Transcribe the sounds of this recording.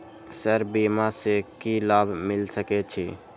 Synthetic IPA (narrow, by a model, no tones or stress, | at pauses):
səɾbimasekilabmɪlsəkɛt͡ʃʰḭ